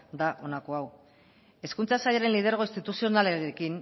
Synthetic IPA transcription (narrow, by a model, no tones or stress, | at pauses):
d̪aʔo̞nako̞aw | e̞skunt͡sasaʎaɾe̞nlið̞eɾɣo̞inst̪it̪usio̞naleɾekin